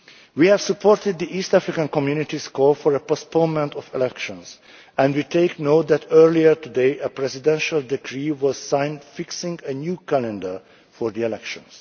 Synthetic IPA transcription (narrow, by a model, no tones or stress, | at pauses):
wiːhæv̥supʰɔɹtɪd̪̚diʔiːst̪æfɹɪkãnkɔ̃mjunɪt̪iskɔlfɔɹəpəspʰõnmɛ̃ntɔfɛlɛkʃɔ̃ns | ɛ̃ndwiːt̪ʰeɪknot̪̚d̪ætʰɜɹliəɹt̪ud̪eɪʔəpɹɛzɪd̪ɛ̃nʃald̪ɛkʰɹiːwɔz̥sãɪ̃ndfɪksɪ̃ŋɡənjuːkælɛ̃ndə˞ | fɔɹd̪iɛlɛkʃɔ̰̃ns